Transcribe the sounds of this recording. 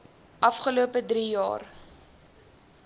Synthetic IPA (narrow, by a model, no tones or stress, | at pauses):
ʔɐfχəluəpədɾijɑ̰ːr